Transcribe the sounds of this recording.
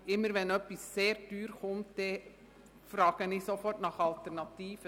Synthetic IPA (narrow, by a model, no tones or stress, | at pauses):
ɪmːəɾʋɛnœpːisːeːɾd̥yːɾχʊmtd̥ɛ | fɾɑːɡ̥əniːsofɔrtnɑχɑltɛɾnɑt̪iːfə